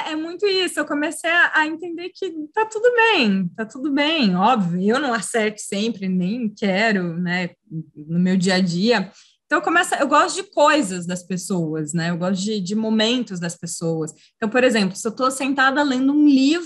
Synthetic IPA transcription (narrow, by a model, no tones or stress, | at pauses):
ɛmũj̃t̪ʊisʊewkomesejɐʔɐẽnt̪ẽnd̪eɾkɪt̪at̪ud̪ʊbẽj̃t̪at̪ud̪ʊbẽj̃ɔbvijʊewnɐ̃w̃asɛɾt̪ʊ̥sẽmpɾɪnẽj̃kɛɾʊnɛ | nʊmewd͡ʒiɐd͡ʒiɐ | ẽt̪ɐ̃w̃ewkõmɛsɐewɡɔst̪ʊd͡ʒɪkojzɐzd̪ɐspesowɐsnɛewɡɔst̪ʊd͡ʒɪd͡ʒɪmomẽnt̪ʊzd̪ɐspesowɐsẽt̪ɐ̃w̃poɾezẽmplʊsɪewt̪osẽnt̪ad̪ɐlẽnd̪ʊũlivɾʊ